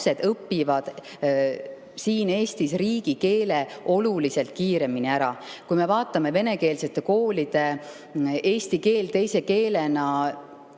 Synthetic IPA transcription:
se̞d̪̥ɤpːivɑd̪̥ | siːne̞ːst̪isriːɡ̥ike̞ːle̞o̞lulise̞lt̪̚kiːɾe̞miniæɾɑkujme̞vɑːt̪ːˑɑme̞ve̞ne̞ke̞ːlse̞t̪ːe̞ko̞ːlid̪̥e̞ | eːst̪ike̞ːlt̪e̞jse̞ke̞ːle̞nɑ

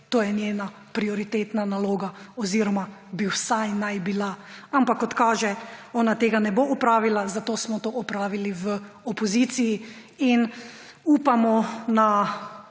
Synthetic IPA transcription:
t̪oːjɛnjeːna | pɾiɔɾit̪eːt̪nanaloːɡaɔziɾɔmabiwsajnajbilaampakːɔt̪kaːʒɛɔːnat̪eːɡanɛboɔpɾaːʋilazat̪oːsmɔt̪oʔɔpɾaːʋiliʋə | ɔpɔziːt̪siji | in | upamɔna

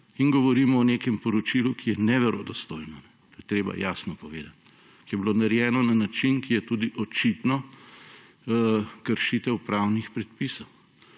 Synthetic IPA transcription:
inɡɔʋɔɾiːmɔɔnekɛmpɔɾɔt͡ʃilukʰijɛnɛʋɛɾod̪ɔst̪oːjnɔnɛt̪oːjɛt̪ɾeːba̰jasnɔpɔʋḛːd̪at̪ | kijɛbilonaɾjɛːnɔnanat͡ʃinkijɛt̪ud̪iʔɔt͡ʃit̪nɔ | kəɾʃit̪ɛwpɾawnixpɾɛt̪pisɔw

